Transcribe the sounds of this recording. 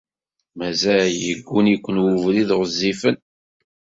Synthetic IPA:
mæzæjəɡʷːunikʷːənwuvliðʁəzːifən

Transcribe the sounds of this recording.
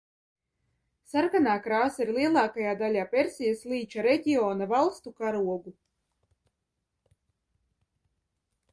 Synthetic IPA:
saɾkanaːkɾaːsaiɾliɛlˠɑːkajaːd̪alʲaːpʲeɾsʲijasliːt͡ʃaɾeɟ̪ʲiɔːnavalˠst̪ukaɾuɔɡu

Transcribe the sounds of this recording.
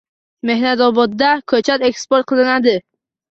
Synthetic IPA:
me̞hnat̪ɒbɒd̪ːakʰɵt͡ʃʰat̪ekspoɾt̪̚qʰɨlˠɪnad̪ɪ

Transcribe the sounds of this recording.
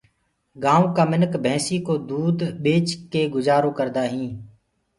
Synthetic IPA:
ɡãːʋkaːmɪnəkbʱɛ̃ːsiːkoːd̪uːd̪ɓeːt͡ʃkeːɡʊzaːɾõːkəɾd̪aːɦĩː

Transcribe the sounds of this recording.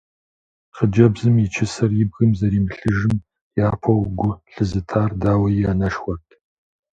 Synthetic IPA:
qəd͡ʒɐbzɨmjit͡ʃʰɪsɐrjɪbɣɨmzɐɾiːmɬɨʒɨm | jaːpʰɐwɡʷʊɬɨzɨtʰaːrdaːwɐjaːnɐʃχʷɐtʼ

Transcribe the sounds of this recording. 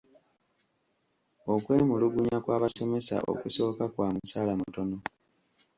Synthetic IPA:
o̞kwe̞ːmuluɡuɲakwaːβaso̞me̞sa̰ʔo̞̰kuso̞ːkakwaːmusaːlamutono̞

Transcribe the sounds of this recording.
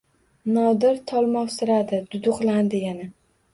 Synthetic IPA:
nɒd̪ɪɾt̪ʰɒlˠmɒfsɪɾad̪ɪd̪̥ʊd̪ʊqlˠand̪ɪjana

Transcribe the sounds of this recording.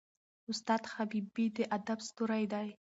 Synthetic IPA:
ʊst̪ɑːd̪xabibid̪əʔad̪abst̪uɾajd̪aj

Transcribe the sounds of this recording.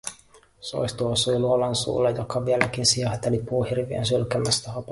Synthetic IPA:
so̰jst̪uosujluolɑnsṵːlːejokːɑʋielæk̟insiɑhɑt̪ːelit̪̚puːhirʋiḛnsylkæmːæst̪æhɑp

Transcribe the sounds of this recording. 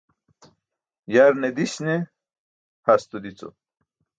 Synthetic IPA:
jaɾned̪iɕne | hast̪ud̪it͡so̰

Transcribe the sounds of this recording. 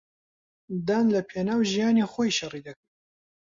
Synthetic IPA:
d̪aːnlɐpʰeːnaːwʒijaːnixojʃɐrid̪ɐkɨɾ

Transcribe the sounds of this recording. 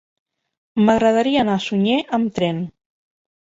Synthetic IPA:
məɣɾəð̞əɾiəːnasuɲeʔəmt̪ɾɛn

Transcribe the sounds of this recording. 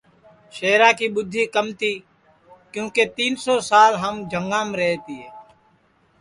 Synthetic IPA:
ʃeːɾaːkiːɓʊd̪ʱːiːkəmt̪ʰiː | kjõːkeːt̪iːnsoːsaːlɦəmd͡ʒʱəŋɡãːmɾɛːt̪iːɦɛː

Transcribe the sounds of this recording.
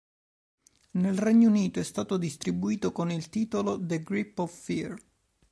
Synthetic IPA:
nelreɲːouniːt̪oɛst̪aːt̪od̪ist̪ɾibuiːt̪okonilt̪iːt̪olod̪eɡɾipːɔffir

